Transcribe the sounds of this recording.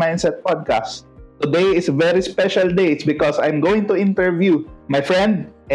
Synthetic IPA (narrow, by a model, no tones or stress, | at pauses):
ãj̃nsɛt̪̚pad̪̚kast̪ʊd̪ejɪsvɛɹispɛʃald̪ejt̪sbɪkɔsãjmɡoːwɪ̃ŋt̪ʊɪ̃nt̪ɛɹvjumajfɹɛ̃nd̪̚ʔ